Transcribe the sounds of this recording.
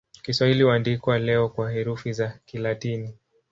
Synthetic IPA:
kiswahiliwandikwalɛɔkwahɛɾufizakilatini

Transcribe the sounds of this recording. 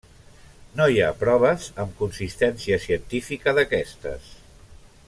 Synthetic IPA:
nojapɾɔβ̞əzəmkunsist̪ɛnsiəsiənt̪ifikəðəkɛst̪ə̰s

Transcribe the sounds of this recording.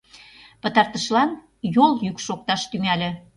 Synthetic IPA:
pə̆t̪ɑrt̪əʃlɑn | joljykʃok̚t̪ɑʃt̪ymælĕ

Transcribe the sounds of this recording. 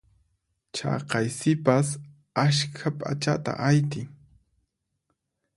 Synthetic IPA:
t͡ʃɑ̰qɑjsɪpas | aʃkʰapʼa̰t͡ʃa̰t̪a̰ʔajt̪ɪŋ

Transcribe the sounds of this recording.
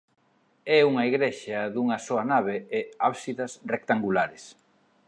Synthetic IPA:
ɛuŋɐiɣɾɛʃɐðuŋɐsoanaβeɪaβsiðɐsrek̚t̪aŋɡulaɾes

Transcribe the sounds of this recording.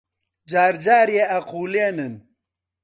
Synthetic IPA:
d͡ʒaːɾd͡ʒaːɾjeɐquːleːnɨn

